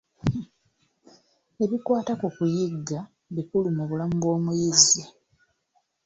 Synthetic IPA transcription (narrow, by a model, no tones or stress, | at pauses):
e̞βikwaːtakukujiɡːa | βikulumuβulamubo̞ːmujize